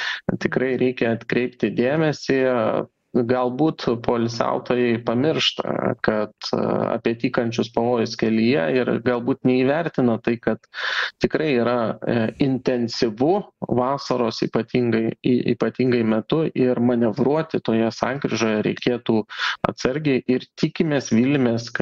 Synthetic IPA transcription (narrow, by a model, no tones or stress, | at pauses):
t̪ʲɪkɾɐɪɾʲɛɪkʲɛɐt̪kɾʲɛɪpt̪ʲɪd̪ʲeːmʲɛsʲɪ | ɡɐlˠbuːt̪poːlʲsʲæ̰ʊt̪oːjɛɪpɐmʲɪrʃt̪ɐ̰kɐt̪ɐ̰pʲiɛt̪ʲiːkɐnʲt͡ʃʲʊspɐʋoːjʊskʲɛlʲijɛɪɾɡɐlˠbuːt̪nʲɛiːʋʲɛɾʲt̪ʲɪnɐt̪ɐɪkɐt̪t̪ʲɪkɾɐɪiːɾɐɪnʲt̪ʲɛnʲsʲɪʋʊʋɑːsɐɾoːsḭːpɐt̪ʲiːŋɡɐɪḭːpɐt̪ʲiːŋɡɐɪmʲɛt̪ʊʔɪɾmɐnʲɛʋɾuɔt̪ʲɪt̪oːjɛsɑːŋɡɾʲɪʒoːjɛɾʲɛɪkʲeːt̪uːɐ̰t̪sɐɾʲɡʲeɪʔɪrt̪ʲikʲɪmʲeːsʋʲilʲmʲeːsk